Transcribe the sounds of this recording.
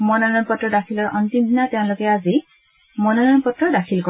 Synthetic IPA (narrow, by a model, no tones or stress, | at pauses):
mɔnanɔnpɔtɹɔdakʰilɔɹʔɔntimd̪ʱinatɛʊ̃lʊkɛazi | mɔnanɔnpɔtɹɔdakʰilkɔ